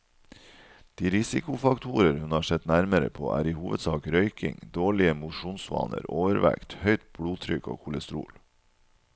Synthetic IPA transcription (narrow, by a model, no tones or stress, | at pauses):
d̪̥iːɾɪsɪkʊfɑkt̪ʰuːɾəɾhʉnhɑːʂɛt̪næɾməɾə̰pʰo̰ːʔæ̰ːɾiːhuːʋəd̪sɑːkɾœʏkɪ̰ŋd̪oːɭɪəmʊʃuːnsʋɑ̰ːnə̰ɾoːʋəɾʋæ̰kt̪hœʏt̪̚b̥ɽuːt̪ʰɾʏko̰ːkʰʊləst̪ɾṵːl